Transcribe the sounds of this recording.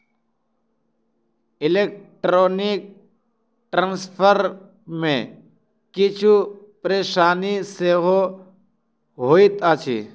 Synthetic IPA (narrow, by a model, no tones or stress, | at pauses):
ɪleːk̚ʈɾoːnɪk̚ | ʈɾãːnspʰəɾ | mẽ | kɪt͡ʃʰu | pəɾeːʃaːniseːɦo | ɦoːit̪at͡ʃʰḭː